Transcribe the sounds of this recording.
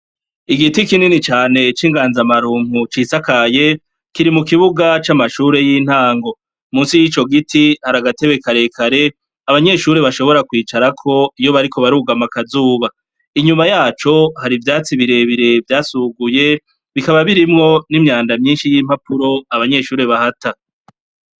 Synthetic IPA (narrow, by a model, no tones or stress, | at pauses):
iɡitikininit͡ʃaːne̞t͡ʃiːŋɡaːnzamaɾuːm̥hut͡ʃisakaje̞ | kiɾimukiβuɡat͡ʃamaʃuɾe̞jiːn̥haːŋɡo̞ | muːnsijit͡ʃo̞ɡitihaɾaɡate̞βe̞kaɾe̞kʰaɾe̞ | aβaɲe̞ʃuɾeβaʃo̞βo̞ɾakwiːt͡ʃaɾakʰo̞ijo̞βaɾikʰo̞βaɾuːɡamakazuːβa | iɲumajaːt͡ʃo̞haɾivjaːt͡siβiɾe̞βiɾe̞vjaːsuːɡuje̞ | βikaβaβiɾimŋo̞nimɲaːndamɲiːnʃijiːm̥hapʰuɾo̞aβaɲe̞ʃuːɾe̞βahatʰa